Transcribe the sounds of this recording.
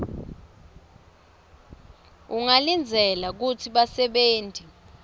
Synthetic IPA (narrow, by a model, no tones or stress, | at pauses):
uŋalind͡zʱɛlak̬utʰiɓasɛɓeːntʼi